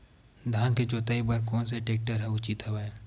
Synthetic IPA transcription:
d̪ʱaːnked͡ʒoːt̪aibəɾkɔːns̬eʈeːk̚ʈəɾɦɛʊt͡ʃit̪ɦɛbəẽ

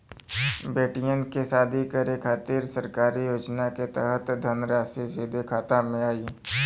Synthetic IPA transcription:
beːʈijənkesaːd̪ʱikəɾekʰaːt̪iːɾsəɾkaːɾijoːd͡ʒnaket̪ɛɦət̪d̪ʱənɾaːsisɪːd̪ʱekʰaːt̪amẽaːi

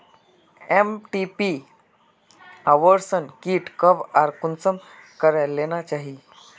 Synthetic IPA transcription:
emʈipi | aʋəɾsənkiːʈkəʋaɾkunsəm | kəɾalːenat͡ɕaɦi

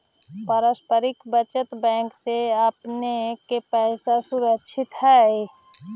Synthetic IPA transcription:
pəɾəspəɾɪkbət͡ʃət̪bɛ̃ŋkseəpnekepɛɪsasuɾəkʃʰɪt̪ɦɛi

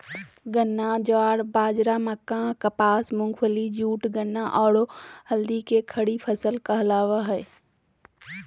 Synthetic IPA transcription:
ɡənːãd͡ʒaːɽbaːd͡ʒɾaməkãkəpaːsmʊ̃ŋɡʋəlid͡ʒuːʈɡənːãʔɔːɽohɐld̪ikekʰɐɽipʰəsəlkəɦlaːʋaɦɛe

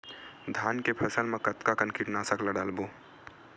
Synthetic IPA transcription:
d̪ʱaːnkepʰɐsəlmẽkɐt̪kakənkiʈnaːsəklaɖaːlboː

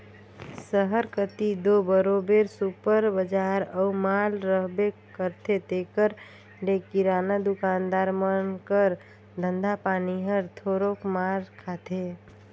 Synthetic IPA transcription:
səɦəɾkət̪id̪obəɾobeɾsupəɾbəd͡ʒaɾəumalɾəɦbekəɾt̪ʰet̪ekəɾ | lekiɾanad̪ukand̪aɾmənkəɾ | d̪ʱənd̪apaniɦəɾt̪ʰoɾokmalkʰat̪ʰe

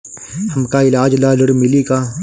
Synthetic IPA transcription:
hɐmkaɪlaːd͡ʒlalɐɽmɪlikaː

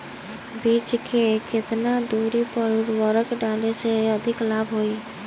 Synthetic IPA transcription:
biːt͡ʃkekɪt̪nad̪uːɾipəɾʊɽwəɾəkɖaːleseəd̪ʱɪklaːbɦoːi

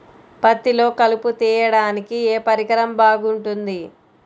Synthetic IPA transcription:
pɐt̪ːilo̞ːkɐluput̪iːjɐɽaːnikieːpɐɾiɡɐɾɐmbaːɡuɳʈund̪i

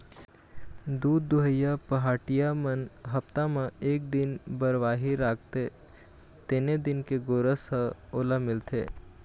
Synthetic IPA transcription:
d̪uːd̪ːʊɦəjapɐɦaːʈijamənɦɐpt̪amãeːk̚d̪ɪnbəɾʋaːɦiɾaːk̚ʰt̪e | t̪eːned̪ɪnkeɡoːɾəsəoːlamɪlt̪ʰḛː

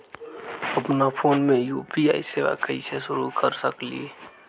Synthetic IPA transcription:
əpnapʰoːnmẽjuːpia̰ːiseʋa̰kəisesʊɾukəɾsəklḭ

